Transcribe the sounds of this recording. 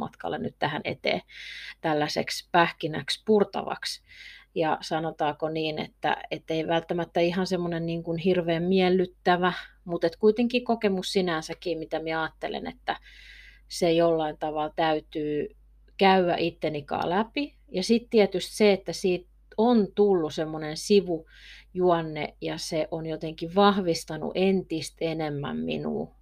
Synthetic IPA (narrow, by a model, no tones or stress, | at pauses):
ɑ̰t̪kɑ̰lːḛnyt̪t̪æhænḛt̪ḛːt̪ælːæsḛkspæhkinæ̰kspurt̪ɑ̰ʋɑ̰ksjɑ̰sɑnot̪ɑːkoniːnḛt̪ːæ̰et̪ːeiʋælt̪ːæmæt̪ːæihɑnsemːonenniːŋkunhirʋeːmmiɛlːyt̪ːæʋæmut̪et̪kuit̪eŋkiːkokemussinænsækiːmit̪æmiɛɑːt̪ːelḛnḛt̪ːæ | sejolːɑint̪ɑʋɑlt̪æyt̪yː | kæywæ̰ʔit̪ːenikɑ̰ːlæpi | jɑsit̪t̪iɛt̪yst̪seet̪ːæsiːt̪ | ont̪ulːusemːonensiʋu | juɑnːḛjɑseʔonjot̪eŋkiʋʋɑhʋist̪ɑnṵʔent̪ist̪enemːæ̰mmḭnṵː